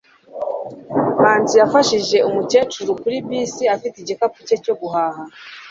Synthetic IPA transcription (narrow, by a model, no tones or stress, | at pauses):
maːnzijafaʃiʒe̞umuce̞ːt͡ʃuɾukuɾibiːsiafitiɟikapuce̞co̞ɡuɦaːha